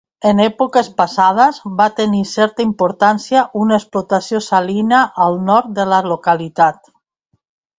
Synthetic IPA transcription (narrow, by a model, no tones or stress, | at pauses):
enɛpokespasað̞azbat̪enisɛɾt̪aimpoɾt̪ansjaʔunaesplot̪asjosalinaʔːlˠnɔɾt̪̚d̪elalokalit̪at̪